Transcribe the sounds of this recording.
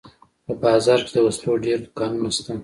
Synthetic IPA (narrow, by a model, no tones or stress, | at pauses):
pəbɑzɑɾked̪əwasloɖeɾd̪ʊkɑnunast̪am